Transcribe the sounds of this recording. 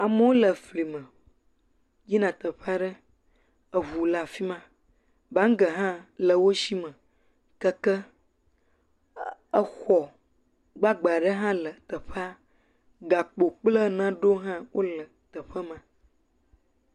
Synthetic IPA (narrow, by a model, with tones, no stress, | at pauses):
a˨mə˦wo˦lə˨fli˨mə̃˨ | d͡ʒi˦nã˨t̪ə˨ɸa˦ɖə˦ | ə˨vu˨la˨fi˦mã˦ | ba˦ŋ̩˦ɡə˨ɦã˦lə˨wo˦ʃi˦mə̃˨ | kə˦kə˦ | ə˦xɔ˨ | ɡ͡ba˦ɡ͡ba˨ɖə˦ɦã˦lə˨t̪ə˨ɸa˦ | ɡa˨k͡po˨k͡plə˦nã˦ɖo˦ɦã˦wʔo˦lə˨t̪ə˨ɸə˦mã˨